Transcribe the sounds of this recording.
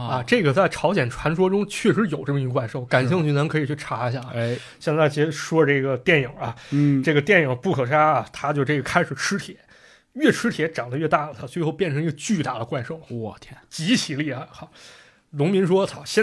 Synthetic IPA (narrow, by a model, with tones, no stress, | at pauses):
ɐ˧ʈ͡ʂɤ˥˩ɡə˩t͡sa˥˩ɪʈ͡ʂʰɑ˧˥ʊɕjɛ˨˩nʈ͡ʂʰwa˧˥nʂwɔ˥ʈ͡ʂʊ˥ŋt͡ɕʰɥɛ˥˩ʂ̬ɻ̩˧˥jo˨˩ʊʈ͡ʂɤ˥˩mə˩˧i˧˥ɡə˧kwa˥˧ɪʂo˥˩ʊka˨˩nɕi˥˧ŋt͡ɕʰy˥˩nə˧˥ŋkʰɤ˧˥i˨˩t͡ɕʰy˥˩ʈ͡ʂʰa˧˥i˧˥ɕja˥˩ɐ˩˥ | ɕjɛ˥˧nt͡sa˥˩ɪt͡ɕi˧˥˧ʂwɔ˥ʈ͡ʂɤ˥˩ɡə˩t̪jɛ˥˩nji˨˩ɐ˧ʈ͡ʂɤ˥˩ɡə˩t̪jɛ˥˩nji˨˩pu˥˩kʰɤ˨˩ʂa˥ɐ˨˩t̪ʰa˥t͡ɕjo˥˧ʊʈ͡ʂɤ˥˩ɡə˩kʰa˥ɪʂɻ̩˨˩ʈ͡ʂʰɻ̩˥t̪ʰjɛ˨˩˦ | ɥɛ˥˩ʈ͡ʂʰɻ̩˥t̪ʰjɛ˧˥ʈ͡ʂɑ˨˩ŋd̪ə˦ɥɛ˥˧t̪a˥˩lə˨˩t̪ʰa˥t͡swe˥˧ɪxo˥˧ʊpjɛ˥˩nʈ͡ʂʰɤ˧˥ŋi˧˥ə˧t͡ɕy˥˧t̪a˥˩d̪ə˩kwa˥˧ɪʂo˥˩ʊ˧t͡ɕi˧˥t͡ɕʰi˧˥li˥˩ɐ˨˩xɑ˥˩˦ | nʊ˧˥ŋmi˧˥nʂwɔ˥t͡sʰɑ˨˩ɕjɛ˥˧